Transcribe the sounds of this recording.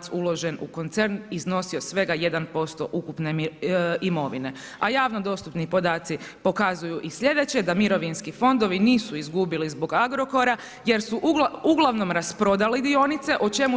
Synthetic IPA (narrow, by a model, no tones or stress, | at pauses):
t̪sulˠo̞ʒe̞nṵko̞nt̪se̞ɾnizno̞sio̞sʋe̞ɡaje̞d̪anpo̞st̪o̞̰ʔukupneimo̞ʋine̞ | ajaːʋnod̪o̞st̪upnipo̞d̪aːt̪sipo̞kazujuʔisʎʲje̞d̪e̞t͡ɕe̞d̪amiɾo̞ʋinskifo̞nd̪o̞ʋiniːsuizɡubilizbo̞ɡaɡɾo̞ko̞ɾa | je̞ɾsuʔuɡlˠaʋno̞mɾaspɾo̞d̪alid̪io̞nit̪se̞ʔot͡ʃe̞mu